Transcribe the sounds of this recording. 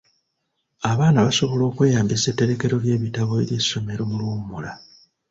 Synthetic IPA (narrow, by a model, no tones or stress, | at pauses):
aβaːnaβaso̞βo̞lo̞ːkwe̞ːjaːmbisetːe̞ɾe̞ke̞ɾo̞lje̞ːβitaβo̞ḛlje̞sːo̞me̞ɾo̞mulwoːmumula